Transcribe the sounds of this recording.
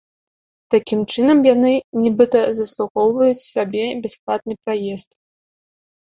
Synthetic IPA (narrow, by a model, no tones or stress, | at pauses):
t̪akʲimt͡ʂɨnɐmjanɨnʲɛbɨt̪ɐzɐslˠuxɔwvɐjut͡sʲsʲabʲɛbʲasplˠat̪̚nɨpɾajɛst̪